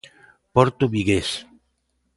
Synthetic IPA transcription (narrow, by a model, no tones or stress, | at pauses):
poɾt̪oβiɣes